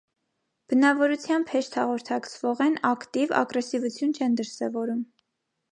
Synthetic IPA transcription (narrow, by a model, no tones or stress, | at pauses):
b̥ənɑvɔɾut͡sʰjɑmbhɛʃt̪hɑʁɔɾt̪ʰɑkt͡sʰvɔʁɛnɑkt̪ivɑ̰ɡɾɛsivut͡sʰjunt͡ʃʰɛnd̪əɾsɛvɔɾum